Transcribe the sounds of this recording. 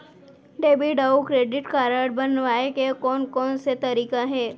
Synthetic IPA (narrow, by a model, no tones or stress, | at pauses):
ɖebiɖaukɾeɖiʈkaɾəɽbənʋaekekonkɔnset̪əɾikaɦe